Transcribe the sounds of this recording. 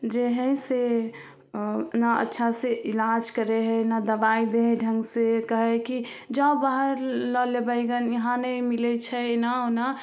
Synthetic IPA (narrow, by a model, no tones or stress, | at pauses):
d͡ʒeɦə̃se | naə̰tːʃʰaseʔilad͡ʒkəɾeɦɛnad̪əbaid̪eɦɖʱə̃ŋɡsekəɦɛki | d͡ʒəbaɦəɾləlebəɪɡənjəɦãnəmilɛt͡ʃʰɛnaona